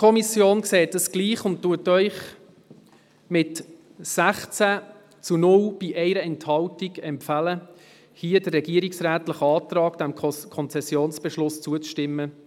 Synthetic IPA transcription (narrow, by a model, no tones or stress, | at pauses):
kʰɔmisjoːnkseːtəsɡ̥liːχʊnt̚tːuətœʏχ | mɪt | sæχt͡sæ | t͡sunʊlb̥iʔɛɪɾəɛnthɑltiɡɛmpfælə | hiːədərːɛɡ̥iəɾiksræːtləχəɑːt̪rɑːɡd̥æmkʰɔnt͡sɛsjoːnsb̥ɛʃlʊst͡suət͡sʃtɪmːə